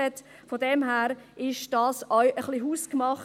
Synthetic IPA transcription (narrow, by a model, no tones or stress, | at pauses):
ɛt | fɔdɛmɦæːɾɪʃd̥ɑːsɔwʔəχliɦuːskmɑχ